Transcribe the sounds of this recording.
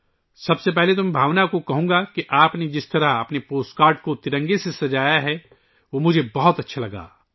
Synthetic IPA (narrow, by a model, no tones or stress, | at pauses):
sɐbsep̬ɛɦlet̪̬ʊ̃mbʱaːʋnakokɐɦõːɡakiʔaːpned͡ʒɪst̪ɐɾaɐpnepoːsʈkaːɾɖkot̪ɪɾə̃ŋɡesesɐd͡ʒaːjaɦɛ | ʋoːmʊd͡ʒʱebɐɦɔt̪ɐtːʃʰalɐɡa̰ː